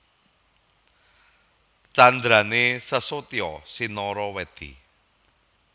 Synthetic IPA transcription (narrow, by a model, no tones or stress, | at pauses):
t͡ʃand̪ɾanesəsot̪ijɔsinɔɾɔwɛt̪ḭ